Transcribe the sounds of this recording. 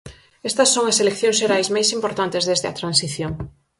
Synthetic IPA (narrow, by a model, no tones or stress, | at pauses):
est̪ɐsːoŋɐselekθjõŋszʃeɾajsmajsimpoɾt̪ant̪ezðezðɪɐ̰t̪ɾansiθjoŋ